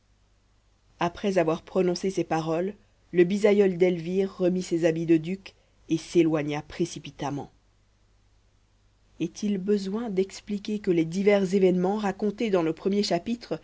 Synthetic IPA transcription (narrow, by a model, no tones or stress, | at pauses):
apχɛzavwaʁpχɔnɔ̃sesepaʁɔlː | əbizajœld̪ɛlviʁːəmisezabid̪əd̪ykʲ | eselwaɲapχesipit̪amɑ̰̃ | ɛt̪ʰilbəzwɛ̃d̪ɛksplikʲekəled̪ivɛʁzevɛnmɑ̃ʁakɔ̃t̪ed̪ɑ̃ləpχəmjeʃapit̪χ